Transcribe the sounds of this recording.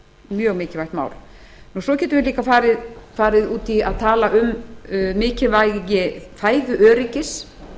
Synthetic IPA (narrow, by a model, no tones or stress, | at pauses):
mjœːɣmɪːcɪvajht̪ma̰ːwɾ̥ | nusɔcʰɛːt̪ʏvɪɾliːkafaːɾɪðfaːɾɪðuːt̪iaðt̪ʰaːlaʔʏmmɪːcɪvajjɪfaːjðʏʔœːɾɪcɪs